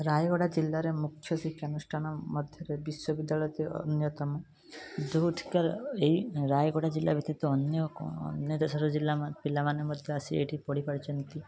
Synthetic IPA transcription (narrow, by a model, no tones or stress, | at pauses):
ɾajɡɔɽad͡ʒilːaɾemukʰːjɔsikʰːjanusʈʰanɔmɔd̪ʱjɔɾebiʃɔbid̪ːalɔjt̪iɔ̰njɔt̪ɔmɔ | d̪uʈʰi̥kaɾeiɾajɡɔɽad͡ʒilːabʱit̪ːit̪uɔnjɔɔ̰njɔd̪esɔɾɔd͡ʒilːapilːamanemɔd̪ʱjɔasieʈipɔɽ̤ipaɽit͡ʃʰɔnt̪i